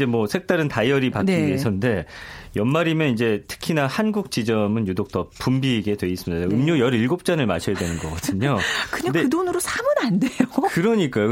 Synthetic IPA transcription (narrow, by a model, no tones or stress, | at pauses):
d͡ʑe̞mwʌsʰe̞k̚t͈aɾɯntajʌɾipank͈iesʰʌnde̞jʌnmaɾimjʌnid͡ʑe̞tʰɯ̥kʰinahanɡuk̚t͡ɕid͡ʑʌmɯnjudok̚t͈ʌpumbiɡe̞dwe̞is͈ɯmidaɯmɲojʌɾiɭɡop̚t͡ɕ͈anɯɭma̰ɕʰʌjadwenɯnɡʌɡʌdɯɲokɯɲadeɯdonɯɾosʰamɯɾandejokɯɾʌɲik͈ajo